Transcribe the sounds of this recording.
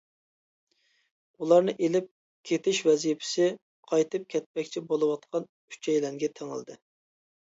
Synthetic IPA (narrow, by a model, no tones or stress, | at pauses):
ulˠɑɾnɨʔelɪp̚ | kʲʰet̪ʰɪʃvɛzijpʰɪ̥sɪ | qʰɑjt̪ʰɨp̚kʲʰɛt̪̚pɛkʲt͡ʃʰibolˠɨwɑt̪̚qʰɑn | y̥t͡ʃʰɛjlɛŋɡʲɛt̪ʰeŋɪ̰lˠd̪ɨ̰